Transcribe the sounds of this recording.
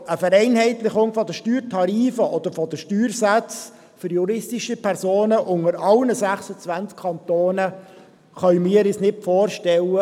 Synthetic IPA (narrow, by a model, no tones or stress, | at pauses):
əfəɾɛɪnhɛɪtlɪχʊŋfɔd̪əʃtyːɾtʰɑɾiːfəʔɔd̪əɾfɔd̥̪əʃtyːɾsæt͡s | fʏɾjuɾɪstiʃipʰɛɾsoːnəʔʊŋəɾɑlnəsæχsət͡sʋænt͡skkʰɑnt̪oːnə | χœɥmɪːəɾɪsnɪtfoːɾʃtɛlːə